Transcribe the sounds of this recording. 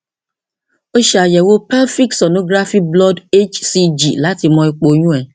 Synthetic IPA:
o˦ʃa˨jɛ˨wo˦pɛ˦fi˦k̚tso˨nõ˦ɡɾa˦fi˦blɔ˦de˦t͡ʃsi˦d͡ʒḭ˨la˨˦ti˨˧mɔ̃˨i˨k͡po˨˦ɲũ˦ɛ˨

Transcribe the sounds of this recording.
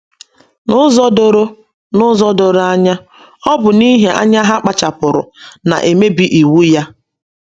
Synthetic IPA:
nʊ˦zɔ˦do˨ɾo˦ | nʊ˦zɔ˦do˨ɾa˦ɲa˦ | ɔ˦bʊ˨ni˦ɦe˨ʔa̰˦ɲa˦ɦa˦k͡pa˨t͡ʃa˨pʊ˨ɾʊ̰˨na̰˨ʔe˨me˦bi˦ʔi˨wu˦ja˦

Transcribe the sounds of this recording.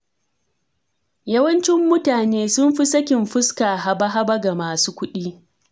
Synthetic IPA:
jɐ˦wɐ˦nt͡ʃɪ˦mːʊ˦taː˨neː˦sʊ˦mɸi˦sɐ˦kʲɪ˨mɸɪ˦ska˨ɦa˨ba˦ɦa˦bɐ˦ɡa˨maː˨suː˦kʷʊ˦ɗiː˦

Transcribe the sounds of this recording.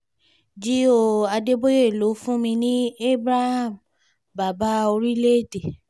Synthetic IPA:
d͡ʒi˨˦o˦˨a˧de˦bo˦je˦˨lo˨˦fũ˦mĩ˧nĩ˦e˦bɾa˦ha˦˨m | ba˨ba˨˦o˧ɾi˦le˦˨de˨

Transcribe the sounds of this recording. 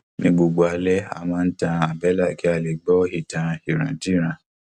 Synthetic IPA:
nĩ˧ɡ͡bo˧ɡ͡bo˧a˧lɛ˦a̰˨mãː˦˧n̩˦tã˧a˨bɛ˨˦la˦˨ki˨˦a˧˨le˨ɡ͡bɔ˦hi˦˨tã˨˧i˨ɾ̃ã˨d͡ʒi˦˨ɾ̃ã˨

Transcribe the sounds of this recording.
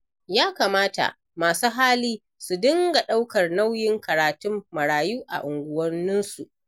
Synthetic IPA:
jaː˦kaː˨maː˦ta̰˨ʔ | maː˨suː˦ɦaː˦liː˦ | su˨dɪ˦ŋɡa˨ɗa˦wkɐ˨rna˦wjɪ˦ŋkɐ˨ɾaː˨tʊ˦mːɐ˨ɽaː˨juː˦ʔa̰˨ʔʊ˨ŋɡʷʊ˦wɐ˦nːɪ˦nsu˨ʔ

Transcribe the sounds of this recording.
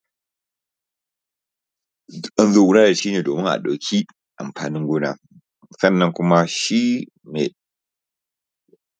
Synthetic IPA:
ʔɐ˦nzoː˦˨ɡʊ˦ɽaː˦da˨ʃi˦neː˨doː˨mɪ˦ŋʔa̰˨ɗa˨wkʲʰi˦ | ʔa˨mɸaː˨nɪ˦ŋɡʷoː˦na̰ː˦ | sɐ˦nːɐ˦ŋkʷʊ˦ma˦ʃi˦ | me˨

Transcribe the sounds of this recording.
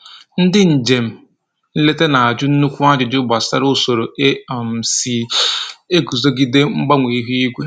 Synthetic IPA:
n̩˦dɪ˦n̩˨d͡ʒe˨m̩˨ | n̩˦le˦te˦na˨a˨d͡ʒʊ˦n̩˦nu˦kʷu˦a˦d͡ʒɪ˨dʊ˦ba˨sa̰˦ɾʊ˦so˨ɾo˨e˦˨m̩˨si˨ | e˦ɡu˨zo˦ɡi˦de˦ŋ͡m̩˦ɡ͡ba˦ŋʷe˨i˦ɦi˦i˦ɡʷe˦

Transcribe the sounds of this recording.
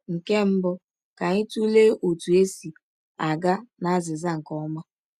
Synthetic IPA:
ŋ̩˨ke˦m̩˦bɔ˦ | ka˨ɲɪ˦tu˦le˦ʔo˨tu˨e˦si˨ | a˨ɡa˦na˦zɪ˨za˦ŋ̩˨kɔ˦ma˦

